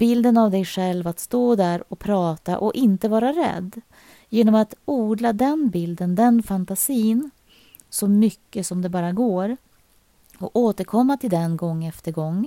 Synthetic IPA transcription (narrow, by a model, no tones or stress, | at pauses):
bɪld̪ənavd̪ɛjɧɛlvat̪st̪oːd̪æɾɔpʰɾɑːt̪a̰ʔɔʔɪnt̪əvɑːɾaɾɛ̰d̪ː | jeːnɔmat̪uːd̪lad̪ɛnbɪld̪ənd̪ɛnfant̪asiːn | sɔmʏkːəsɔmd̪ɛbɑːɾaɡoːɾ | ɔoːt̪əɾkʰɔmːat̪ʰɪld̪ɛnɡɔŋːɛft̪əɾɡɔŋː